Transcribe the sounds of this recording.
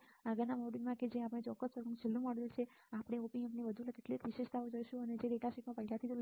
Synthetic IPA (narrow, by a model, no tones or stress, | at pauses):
aɡənamɔɖilmãked͡ʒeapɽ̃et͡ʃɔkːəst͡ʃəkũt͡ʃʰelːũmɔɽəlt͡ʃʰe | apɽ̃eopiẽpnibəd̪ʱuləkeʈlit̪ʋiʃeʃt̪ʰaod͡ʒəʃũəned͡ʒeɾeʈasiʈmãpəɦilat̪ʰit̪ol